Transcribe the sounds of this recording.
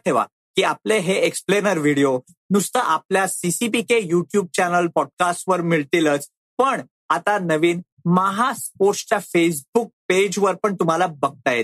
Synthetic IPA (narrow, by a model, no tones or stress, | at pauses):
ʈʰeʋa̰ | kiːapleɦeeksplenəɾʋiɽio | nust̪əʔapljasisipikejuʈjuːb̚t͡ɕænəlpɔɖ̚kasʈʋəɾmiɭt̪ilət͡s | pəɳ | at̪anəʋiːn | maɦaspoɾst͡ɕafes̬buk̚ped͡ʑʋəɾpəɳt̪um̤alabəɡ̚t̪ajet̪